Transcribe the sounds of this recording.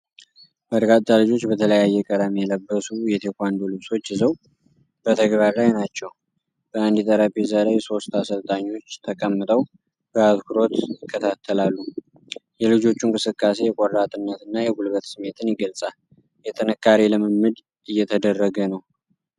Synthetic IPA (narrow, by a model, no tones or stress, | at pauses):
məd̪ɡat̪t̪ʼːalɨd͡ʒo̞t͡ʃːbət̪ʰələjajːɛkʼəd̪amjɛləbːəsujɛt̪ʰekʰʷand̪olɨβso̞t͡ʃːjɪzəw | b̥ət̪ʰəɡbaɾlajnat͡ʃːɛw | b̥əand̪it̪ʼəɾapezalajso̞st̪asəlt̪ʼaɲːwo̞t͡ʃːt̪ʰəkʼəmːɨt̪ʼəw | bəat̪kʰuɾo̞t̪ɪkʰːət̪ʰat̪ʰːəlalːu | jɛlɨd͡ʒo̞t͡ʃːuŋkʼɨsɨkʼːase̞jɛkʼoɾːat̪ʼɨnːət̪ɨnːajɛɡulβət̪sɨmːe̞t̪ʰɨnjɪɡəlsʼal | jɛt̪ʼɨnɨkʰːaɾelɨməmːɨd̪ | ɨjːɛt̪ʰəd̪ərːəɡənəw